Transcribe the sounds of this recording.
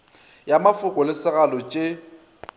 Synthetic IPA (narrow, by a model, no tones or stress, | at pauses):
jamafʊkʼɔlɪsɪɣalɔt͡ʃʼe